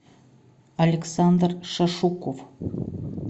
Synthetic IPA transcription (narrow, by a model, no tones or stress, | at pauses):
ɐlʲeksand̪rʂaʂukof